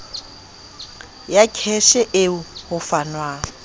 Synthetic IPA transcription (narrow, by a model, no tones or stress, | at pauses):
jakʰɛʃɛʔeuhʊfanwa